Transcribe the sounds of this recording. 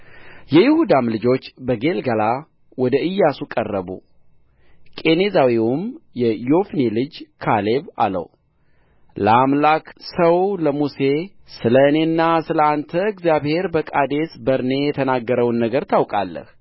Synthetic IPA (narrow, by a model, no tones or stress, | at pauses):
jɛjɪhud̪amlɨd͡ʒo̞t͡ʃːbəɡe̞lɡala | wɔd̪əʔɨjːasukʼərːəbṵ | kʼe̞nezawiwumjɛjo̞fnelɨd͡ʒkʰaleβa̰lə̰w | ləamlaksəwləmuse̞ | sɨlənenːasɨləant̪ʰəɨɡzjaβhe̞ɾbəkʼad̪e̞sbəɾne̞jɛt̪ʰənaɡːəɾəwnːəɡəɾt̪ʰawkʼalːə̰h